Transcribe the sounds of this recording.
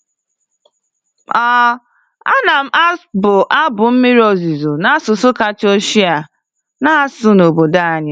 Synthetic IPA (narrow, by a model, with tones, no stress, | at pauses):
ɔ˦ | a̰˦na˨m̩˦ʔa˦bʊ˨ʔa˦bʊ˨m̩˦mɪ˦ɾo˨zi˨zo˨na˦sʊ˨sʊ˦ka˨t͡ʃo˦ʃi˦a˨ | na˦sʊ˦no˨bo˨da˦a˨ɲɪ˦